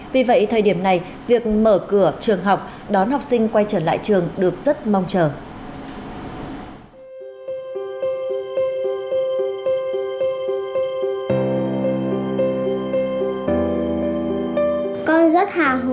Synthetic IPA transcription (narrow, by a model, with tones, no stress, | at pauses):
vi˨˩və̰˧˨jt̪ʰəː˨˩jɗi˧˩əmna˨˩j | vi˨˩ək̚məː˧˩kɨ˧˩ət͡ɕɨ˨˩əŋɦa˨˩wk͡p̚ | ɗɔ˨˦nɦa˨˩wk͡p̚sï˧ŋ̟kwa˧jt͡ɕəː˧˩la̰ː˧˨jt͡ɕɨ˨˩əŋɗɨ˨˩ək̚zə˦˥t̚ma˧wŋ͡mt͡ɕəː˨˩ | kɔ˧nzə˦˥t̚haː˨˩ɦ